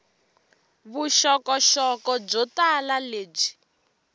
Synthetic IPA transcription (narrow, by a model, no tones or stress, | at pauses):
βuʃɔkɔʃɔkɔb͡ʐɔtalaleːb͡ʐi̥